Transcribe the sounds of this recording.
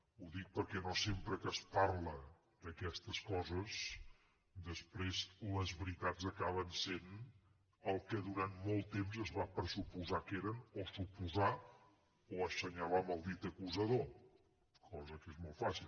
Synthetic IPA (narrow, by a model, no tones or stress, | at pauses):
uðik̚pəɾkɛnosempɾəkəsparlə | d̪əkɛst̪əskɔzəs | d̪əspɾezləzβɾit̪ad͡zəkaβənsen | əlˠkəðuɾanmɔlˠt̪ːemzəzβapɾəzupuzakeɾənosupuza | oəsəɲaβəməlˠd̪it̪əkuzəðo | kʰɔzəkezmɔlˠfasilˠ